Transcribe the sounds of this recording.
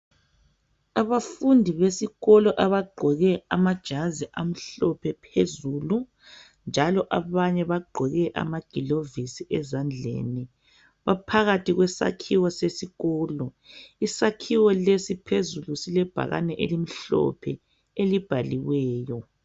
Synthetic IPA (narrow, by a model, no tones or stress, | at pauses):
aβafundʱiβesiɣɔlɔʔaβaɡ͡ǃʱɔɣɛamad̥ʒ̥ʱaziʔam̩ɬɔpʰɛpʰezuːlu | nd͡ʒʱalɔʔaβaɲɛβaɡ͡ǃʱɔɣɛʔa̰maɡ̥ʱilovisiʔɛzand͡ɮʱḛːni | βapʰaɣatiɣwɛsa̰kʰiwɔsesiɣɔːlɔisakʰiwɔlesipʰezulusilɛb̥ʱa̰ɣa̰nɛʔelim̩ɬɔ̰pʰɛ | elib̥ʱaliwɛːjɔ